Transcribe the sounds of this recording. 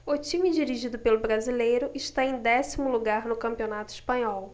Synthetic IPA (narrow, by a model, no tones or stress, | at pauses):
ʊt͡ʃimid͡ʒiɾiʒid̪ʊpelʊbɾazilejɾʊʔɪʃt̪aẽj̃d̪ɛsimʊluɡaɾnʊkɐ̃mpionat̪ʊiʃpɐ̃ɲɔw